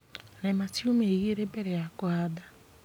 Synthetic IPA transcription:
nematiomeeɣiɾebeɾeakʊada

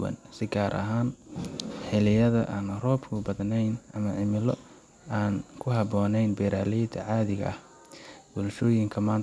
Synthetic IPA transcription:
wɐ̰nsɪɡaːɾʔɐ̰ɦaːn | ħɪlɪjɐðɐ̰ʔaːnrɔːbkʰʊbɐðnɛjnʔɐmɐʕɪmɪlɔ | aːnkʰʊɦɑbɔːnɛjnbɛːɾaːlɛjd̪ʰɐ̰ʕaːðɪɣɐ̰ʔɐh | b̥ɔlʃɔːjɪŋkʰɐmaːn

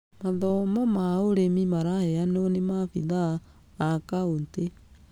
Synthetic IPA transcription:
maðɔmɔmaoɾemimaɾahɛanonemafiðaː | kaonte

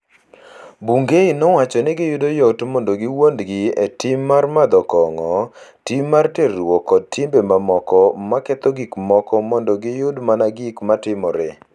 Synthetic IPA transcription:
buŋɡeinɔwat͡ʃɔnɛɡɪjʊdojɔtmɔndɔɡɪwondɡɪetɪmːarmad̪ɔkɔŋɔtimːarteɾwɔkɔd̚tʰimbemamɔkɔmakɛt̪ɔɡikmɔkɔmɔndɔɡɪjʊdmanaɡikmatɪmɔɾe

